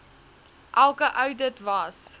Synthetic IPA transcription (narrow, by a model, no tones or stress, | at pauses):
ʔælˠkəʔəwdətvɐs